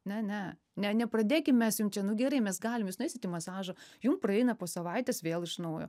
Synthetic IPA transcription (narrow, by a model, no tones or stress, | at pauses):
nʲɛnʲɛ | nʲɛnʲɛprɐd̪ʲeːkʲɪmmʲɛsjʊmt͡ʃʲɛnʊɡʲɛɾɐɪmʲɛsɡɑːlʲɪmjuːsnʊɛɪsʲɪt̪ʲiːmɐsɑːʒojʊmprɐɛɪnɐpoːsɐʋɐɪt̪ʲɛsʋʲeːlˠɪʃnɐʊjo̰ː